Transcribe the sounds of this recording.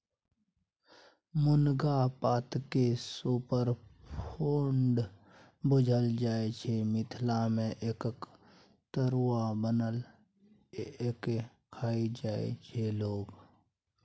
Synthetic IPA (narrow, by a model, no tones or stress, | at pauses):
mʊnɡapaːt̪kesuːpəɾpʰoːɳɖ | bʊd͡ʒʱəld͡ʒaːet͡ʃʰemɪt̪ʰlamẽʔeːkk | t̪əɾwabənəl | ke | kʰaːid͡ʒaːḛt͡ʃʰeloːɡ